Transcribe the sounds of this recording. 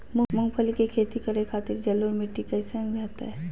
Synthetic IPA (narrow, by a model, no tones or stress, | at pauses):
mmʊŋɡpʰəlikekʰeːt̪ikɐɾekʰaːt̪ɪɾd͡ʒɐlːoɾmɪʈːikɐɪsəŋɡbɛːt̪a̰ɦɛ